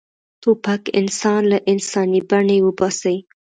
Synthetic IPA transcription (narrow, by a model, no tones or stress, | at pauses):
t̪opakɪ̰nsɑnlaʔɪnsɑnibaɳewəbɑsai